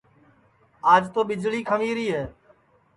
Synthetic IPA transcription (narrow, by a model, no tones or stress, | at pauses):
aːd͡ʒt̪oːɓɪd͡ʒliːkʰəmiːɾiːɦɛː